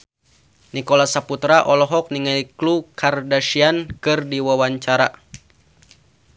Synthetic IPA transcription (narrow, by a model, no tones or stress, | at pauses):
nikɔlasaput̪ɾaʔɔlɔɦɔk̚niŋaiklukʰardaʃiankɨrdiwawaɲt͡ʃaɾa